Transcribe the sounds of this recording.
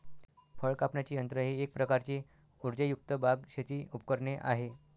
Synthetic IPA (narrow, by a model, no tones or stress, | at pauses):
fəɭkapɳjat͡ɕiːənt̪ɾəɦiːek̚pɾəkaɾt͡ɕiː | uɾd͡ʑəjuk̚t̪əbʱaɡɕet̪iːupkəɾɳeʔa̰ɦe